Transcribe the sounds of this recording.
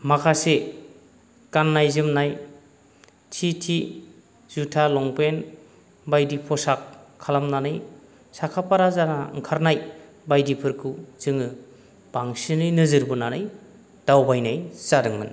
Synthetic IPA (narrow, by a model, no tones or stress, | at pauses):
makʰase | kanːajzɯmnaj | t͡ʃʰitʰi | z̥utʰalɔŋpen | bajdipʰɔsakʰːalamnanɯj | sakʰapʰaɾazaɾaɯŋkʰaɾnaj | bajdipʰɯɾkʰɯz̥ɯŋɯ | b̥aŋsinɯjnɯzɯɾbɯnanɯj | d̥awbajnajsadɯŋmɯ̰n